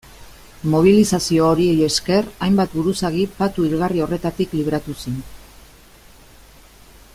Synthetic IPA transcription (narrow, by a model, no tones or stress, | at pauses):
mo̞β̞ilisasio̞ːɾie̞je̞ske̞rajmbat̪buɾusaɣipat̪uiɾɣario̞re̞t̪at̪ikliβɾat̪usin